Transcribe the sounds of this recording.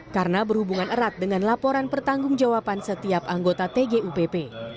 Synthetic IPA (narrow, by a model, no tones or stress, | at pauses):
kaɾənabərhubuŋanəɾat̪̚dəŋanlapoɾanpərt̪aŋɡʊŋd͡ʒawapansət̪iapaŋɡot̪at̪eɡeʔupepe